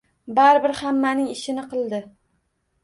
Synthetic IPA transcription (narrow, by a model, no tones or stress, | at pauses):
baɾɪbɪɾhamːanɪŋɪʃɪnɪqʰɨlˠd̪ɪ